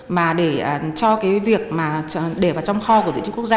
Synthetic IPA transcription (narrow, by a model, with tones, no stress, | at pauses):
maː˨˩ɗe˧˩əː˨˩t͡ɕɔ˧kaː˨˦jvi˨˩ək̚maː˨˩ɗe˧˩vaː˨˩wt͡ɕɔ˧wŋ͡mxɔ˧ku˧˩t̪ːt͡ɕi˦kk̚z